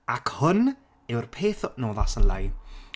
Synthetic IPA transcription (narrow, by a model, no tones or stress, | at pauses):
akʰhʊn | ɪwrpʰeːθnoːðasəla̰j